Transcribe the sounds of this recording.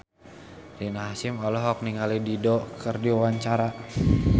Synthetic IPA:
rinaɦasɪmɔlɔɦɔk̚niŋalididɔkərdiɔwaɲt͡ʃaɾa

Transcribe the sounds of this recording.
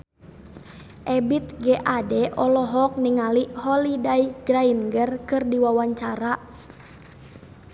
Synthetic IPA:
ʔɛbit̪̚ɡɛʔadɛʔɔlɔɦɔk̚niŋalihɔlidaiɡɾainɡərkɨrdiwawaɲt͡ʃaɾa

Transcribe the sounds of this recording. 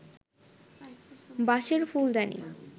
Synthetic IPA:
baʃeɾfuld̪ɛnḭ

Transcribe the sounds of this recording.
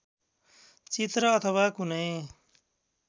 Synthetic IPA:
t͡sit̪ɾʌːt̪ʰʌwakunʌj

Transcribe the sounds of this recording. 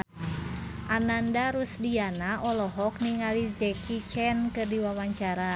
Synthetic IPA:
ʔanandaɾusdianaʔɔlɔɦɔk̚niŋalid͡ʒɛkit͡ʃɛnkɨrdiwawaɲt͡ʃaɾa

